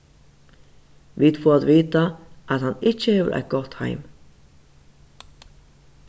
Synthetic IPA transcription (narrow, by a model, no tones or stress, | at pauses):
ʋiːd̪foːat̪ʋiːt̪aʔæt̪hanɪt͡ʃːəheːʋə̰ɾʔa̰jt̪̚ɡ̥ɔt̪ha̰ɪm